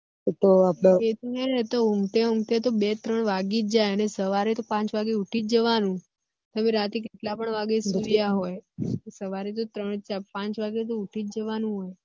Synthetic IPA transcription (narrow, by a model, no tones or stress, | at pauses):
t̪oapɽaet̪ieet̪oumʈ̪eumʈ̪et̪obet̪ɾəɳʋaɡid͡ʒajənesəʋaɾit̪opãt͡ʃʋaɡeuʈʰid͡ʒəʋanũ | t̪əmeɾat̪ik̬eʈlapəɳʋaɡesijaɦojsəʋaɾit̪̬ot̪ɾəɳ̃d͡ʒapãt͡ʃʋaɡet̪̬ouʈʰid͡ʒəʋanũɦoj